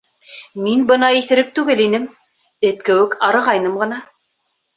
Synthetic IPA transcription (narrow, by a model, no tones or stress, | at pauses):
minbɤ̆nɑiθɘ̆ɾɘp̚t̪ʉɡɘlinɘm | ɘ̆t̪̚kɘ̆wɘkʰɑɾɤ̆ʁɑjnɤmʁɤ̆nɑ